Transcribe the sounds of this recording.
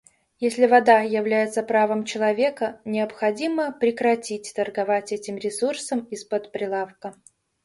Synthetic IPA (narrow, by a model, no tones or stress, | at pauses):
jesʲlʲɪvɐd̪ajɪvlʲæjɪt̪səpɾavəmt͡ɕɪlˠɐvʲe̞kənʲɪəpxɐdʲiməpɾʲɪkɾɐtʲitʲt̪ərɡɐvatʲɛtʲɪmɾʲɪsursəmispət̪pɾʲɪlˠafkə